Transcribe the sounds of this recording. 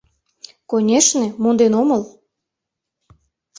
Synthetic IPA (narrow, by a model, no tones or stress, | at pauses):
konʲeʃnĕmond̪enoməl